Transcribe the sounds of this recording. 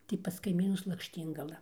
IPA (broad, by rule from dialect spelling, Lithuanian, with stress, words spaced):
tɐɪ pɐs kɐɪˈmʲiːnʊs lˠɐkʃʲˈtʲiːŋɡɐlˠɐ